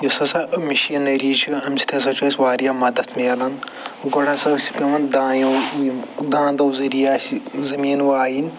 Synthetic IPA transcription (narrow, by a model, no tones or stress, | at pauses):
jɐsɐsɐmiʃiɐnɐɾiːt͡ʃʰiɐmsʰi̥t̪ʰʲɐs̬ɐt͡ʃʰuɐsʲʋaːɾijamɐd̪ɐt̪ʰmeɐlɐn | ɡɐɽʰasɐsʲi̥pʲɐmɐnd̪aːjɐ | d̪ãːnd̪ɐwzɐɾijaːsizɐmiːnʋaːjinʲ